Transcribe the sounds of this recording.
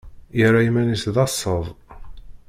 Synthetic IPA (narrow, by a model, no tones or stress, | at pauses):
jəraimænisðɑsˤːəðˤ